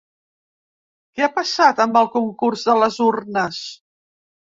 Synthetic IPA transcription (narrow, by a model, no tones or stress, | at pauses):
kɛapəsat̪əmbəlˠkuŋkurzðələzurnəs